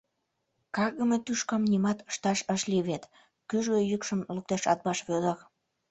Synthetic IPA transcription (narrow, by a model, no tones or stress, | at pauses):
kɑɣəmet̪yʃkɑmnʲimɑt̪ə̥ʃt̪ɑʃəʃliβet̪ | kyʒɣejykʃə̆mluk̚t̪ɑʃɑt̪̚bɑʃβød̪ək